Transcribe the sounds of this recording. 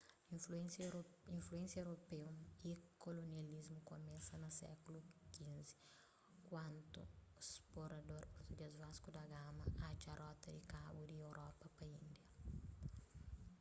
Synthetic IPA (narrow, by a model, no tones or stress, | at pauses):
sĩnfluẽnsjewɾopewikolonializmʊkomɛsɐnɐsɛ̰kulukĩzi̥ | kwɐ̃nt̪ʊ̰esploɾad̪oɾpoɾt̪ud̪iazvaskud̪ɐɡamɐat͡ʃaɾʔɔt̪ɐd̪ikabud̪ɪewɾʔɔpɐpɐĩnd̪jɐ